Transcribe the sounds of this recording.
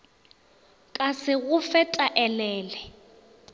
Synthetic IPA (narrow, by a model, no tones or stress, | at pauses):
kʼasɪɣʊfɛtʼaʔɛlɛːlɛ